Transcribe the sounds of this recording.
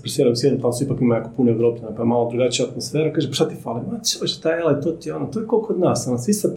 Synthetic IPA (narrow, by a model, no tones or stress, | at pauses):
pɾisjeɾausjed̪not̪asipakimajakopunoeʋɾopʎʲanapaemaːlˠod̪ɾuɡat͡ʃijaat̪mosfeɾakaːʒepʃat̪ifalˠiat͡ʃoʃt̪ajelet̪ot̪jonot̪ojekokod̪nasonosist̪a